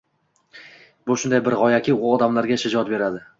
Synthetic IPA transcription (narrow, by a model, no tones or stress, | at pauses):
bʊʃʊnd̪ajbɪɾʁɒjakʲʰɪʊɒd̪amlaɾɡʲaʃad͡ʒɒt̪̚be̞ɾad̪ɪ